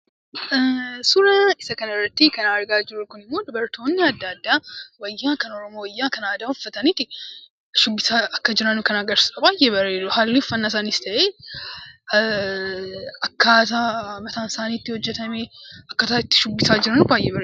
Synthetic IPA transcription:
sʊɾɐɪsɐkɐnɐɪrːɐt̪ːikɐnaːɐɾɡaːd͡ʒɪɾʊkʊnɪmːo̞ːd̪ʊbɐɾt̪o̞ːnːɪɐd̪ːaːd̪ːaːwɐjːaːkɐnɔɾɔmoːwɐjːaːkɐnaːd̪aːhʊfːɐt̪ɐniːt̪ːɪ | ʃʊbːɪsaːɐkːɐd͡ʒɪɾɐnkɐnaɡɐɾsɐbaːjːɛbɐɾeːdʊɦaːlːifːɐnːas̬aːnɪst̪ɐʔeː | ɐkːat̪amɐt̪aːnsaːniːt̪ːɪhɔd͡ʒːɛt̪ɐmeːɐkːɐt̪aːɪt̪ːɪ̥ʃʊbːɪsaːd͡ʒɪɾɐnʊbaːjːɛːbɐɾe

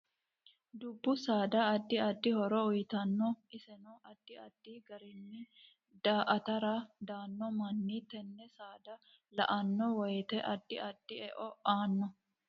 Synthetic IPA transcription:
d̪ʊbːʊsaːd̪ɐːɐd̪ːɪɐd̪ːɪhɔɾɔʊjt̪ɐnːɔɪsɛnɔʔɐd̪̥ːɪɐd̪̥ːiːɡɐɾɪnːɪ | d̪aːʔɐt̪ɐɾad̪aːnːɔmɐnːiːt̪ɛnːɛsaːd̪ɐ | lɐ̰ʔɐnːɔwɔjt̪ɛʔɐd̪ːɪʔɐd̪̥ːɪɛʔɔʔaːnːɔ

